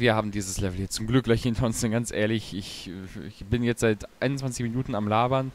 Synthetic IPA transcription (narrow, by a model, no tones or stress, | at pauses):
viːɐhaːbm̩diːzəslɛvl̩jɛt͡st͡sʊmɡlʏklaçɪntʰʊnsɛnɡant͡sʔeːɐlɪçɪçɪçb̥ɪnjɛt͡stz̥aɪtaɪnʊntt͡sv̥ant͡sɪçminuːtn̩amlaːbɐn